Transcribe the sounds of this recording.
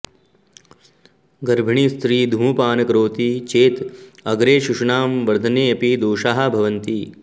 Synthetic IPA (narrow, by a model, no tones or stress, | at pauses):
ɡɐɾbʱɐɳiːst̪ɾiːd̪ʱũːpaːnɐkɾoːt̪it͡ʃeːt̪ɐɡɾeːʃuʂɳaːmʋɐɾd̪ʱɐneːɐpid̪oːʃaːɦɐ̆bʱɐʋɐnt̪i